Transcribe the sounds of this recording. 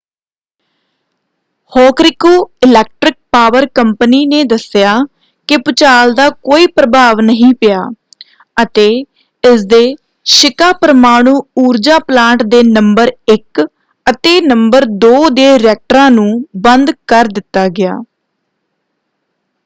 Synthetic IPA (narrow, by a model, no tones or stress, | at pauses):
hɔːkɾɪkoːɪlɛːk̚ʈɾɪk̚paːʋəɾkəmpəniːneːd̪əsɪjaː | kɪpʊt͡ʃaːld̪aːkoːiːpɾəbʱaːʋnəɦĩːpɪjaː | ət̪eː | ɪsd̪eː | ʃɪkaːpəɾəmaːɽ̃ũːuːɾd͡ʒaːplãːɳʈd̪eːnəmbəɾɪk | ət̪eːnəmbəɾd̪oːd̪eːɾɛːk̚ʈəɾãːnũːbənd̪kəɾd̪ɪt̪ːaːɡɪja̰ː